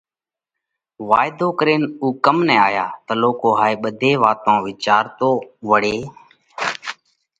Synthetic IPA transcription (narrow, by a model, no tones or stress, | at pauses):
ʋaːɪd̪ʱoːkəɾeːnuːkəmnɛ̃ːaːjaːt̪əloːkoːɦaːeːɓəd̪ʱeːʋaːt̪õːʋɪt͡ʃaːɾt̪oːʋəɽeː